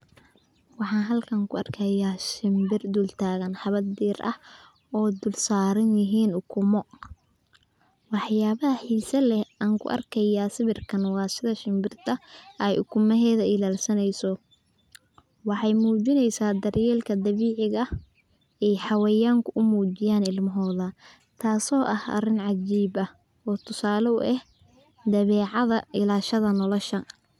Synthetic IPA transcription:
wɑħɑːnɦɐlkʰɐŋkʰʊɐrkʰɐjaːʃɪmbɪrd̪ult̪ʰaːɣɐnħɑβɐd̪ɛːrɐ̰h | ɔːd̪ʊlsaːɾɐnjɪɦiːnʊkʰʊmɔ | wɑħjaːβɐɦɐħiːsɐlɛaːŋkʰʊ̰ʔɐ̰rkʰɐjaːsɪβɪrkʰɐnwɑːsɪðɐʃɪmbɪrt̪ʰɐʔɛjʔʊ̰kʰʊmɐɦɛːðɐɪlaːlsɐnɛjsɔ | wɑħɑjmuːt͡ʃɪnɛjsaːd̪ɐrjɛːlkʰɐd̪ɐβiːʕɪɣɐh | ɛjħɑwɛjaːŋkʰʊʔʊmuːt͡ʃɪjaːnɪlmɐɦɔːðɐ | t̪ʰaːsɔːʔɐhʔɐ̰rɪnʕɑd͡ʒiːbɐh | ɔːt̪ʰʊsaːlɔʊ̰ʔɛh | d̪ɐβɛːʕɑðɐʔɪlaːʃɐðɐnɔlɔʃɐ

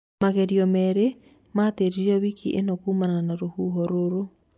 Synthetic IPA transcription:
maɣɛɾiɔmɛɾe | mateɾiɾiɔβikiʔenɔkuːmananaɾohuɦoɾoɾo

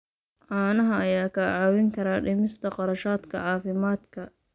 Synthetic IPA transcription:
ʔaːnɐɦɐɐjaːkʰɐʕawɪŋkʰɐɾaːɖɪmɪst̪ʰɐqɑɾɐʃaːd̪kʰɐ̰ʕɑːfɪmaːd̪kʰɐ

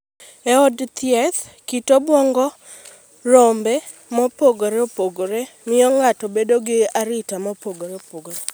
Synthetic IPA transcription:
ɛɔdt̪ɪɛt̪ | kitobwɔŋɡɔ | rɔmbɛ | mɔpoɡoɾeopoɡoɾe | mɪɔŋatɔbedoɡɪaɾɪtamɔpoɡoɾeopoɡoɾe

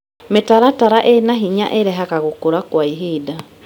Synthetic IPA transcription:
metaɾataɾaʔenaɦiɲa̰ʔeɾɛɦakaɣokoɾakwaiɦida

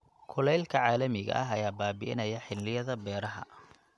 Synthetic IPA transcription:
kʰʊlɛjlkʰɐʕaːlɐmɪɣɐ̰ʔɐɦɐjaːbaːbɪ̰ʔɪ̰nɐjɐħɪllɪjɐðɐbɛːɾɐɦɐ̰

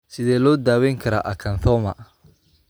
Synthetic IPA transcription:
sɪðɛːlɔːd̪aːwɛŋkʰɐɾa̰ʔɐkʰɐnθɔːmɐ̰

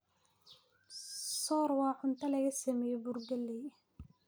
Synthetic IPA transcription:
sɔːrwɑːʕʊnt̪ʰɐlɐɣɐsɐmɛjɛburɡɐlːɛj

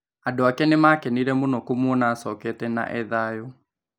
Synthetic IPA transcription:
adoakɛnemakɛniɾɛmonɔkomɔnaːsɔkɛtɛna̰ʔɛðajo

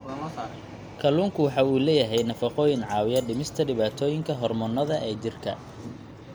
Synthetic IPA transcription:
kʰɐluːŋkʰʊwɑħɑːuːlɛːjɐɦɛjnɐfɑqɔːjɪnʕɑːwɪjɐɖɪmɪst̪ʰɐɖɪβaːt̪ʰɔːjɪŋkʰɐɦɔrmɔnːɐðɐʔɛːt͡ʃɪrkʰɐ̰

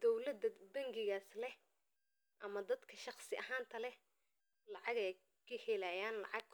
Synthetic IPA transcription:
d̪̥ɔwlɐd̪ɐbɐŋɡɪɣaːslɛh | ʔɐmɐd̪ɐd̪kʰɐʃɑχsɪʔɐɦãːnt̪ʰɐlɛ | lɑʕɑɣɛj | kʰɐhɛlaːjaːnlɑ̰ʕɑɡ̚

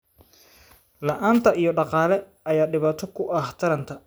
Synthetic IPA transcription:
lɑʔaːnt̪ʰɐʔijɞɖɑqɑːlɛ | ɐjaːɖɪβaːt̪ʰɔkʰʊʔɐht̪ʰɐɾɐnt̪ʰɐ

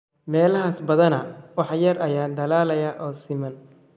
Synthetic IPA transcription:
mɛːlɐɦaːsbɐðɐnɐwɑħjɐrɐjaːd̪ɐlaːlɐjɐʔɔːsɪmɐn

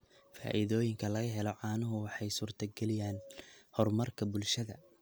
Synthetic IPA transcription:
fa̰ːʔɪðɔːjɪŋkʰɐlɐɣɐɦɛlɔʕɑːnʊɦʊwɑħɑjsuːrt̪ʰɐɡɛlɪjaːnhɔrmɐrkʰɐbʊlʃɐðɐ

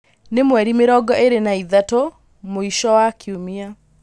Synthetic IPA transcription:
nemwɛɾimeɾɔɡɔʔeɾenaiðato | moiʃɔwakʰiomia

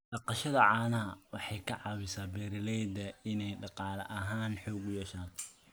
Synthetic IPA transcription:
ɖɑqɑʃɐðɐʕɑːnɐɦɐwɑħɑjkʰɐʕɑwɪsaːbɛɾɪlɛjd̪ɐɪnɛjɖɑqɑːlɐʔɐɦaːnħɔːɡʊjɛʃaːn

